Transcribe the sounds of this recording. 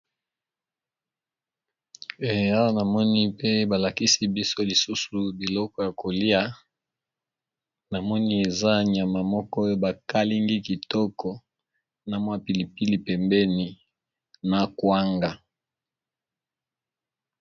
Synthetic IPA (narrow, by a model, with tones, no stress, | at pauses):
e˨a˦wa˦na˨mɔ˦ni˦pe˦ba˨la˨ki˦si˦bi˦so˦li˨su˦su˨bi˨lɔ˦kɔ˨ja˨ko˨li˦a˦ | na˨mɔ˦ni˦e˨za˦˨ɲ˨a˨ma˨mɔ˦kɔ˦o˦ba˨ka˦li˦ŋɡi˦ki˨tɔ˦kɔ˨ | na˨mwa˦pi˨li˨pi˦li˨pɛ˨mbɛ˦ni˨ | na˨kwa˦ŋɡa˨